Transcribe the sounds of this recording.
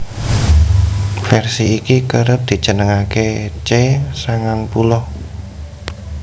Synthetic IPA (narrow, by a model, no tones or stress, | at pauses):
fɛrsiːkikəɾəp̚d̪̥i̤t͡ʃənəŋaket͡ʃesaŋaŋpulɔh